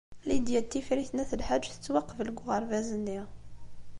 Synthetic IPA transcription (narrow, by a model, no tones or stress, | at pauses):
lid̪jæt̪ːifɾiθnæθəlħad͡ʒːθə̥t͡sːwɑqːəfəlɡʁəɾˤvæzənːi